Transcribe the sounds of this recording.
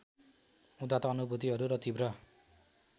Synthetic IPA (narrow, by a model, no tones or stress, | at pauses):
ud̪at̪ʌːnubut̪iɦʌɾuɾʌt̪ibrʌ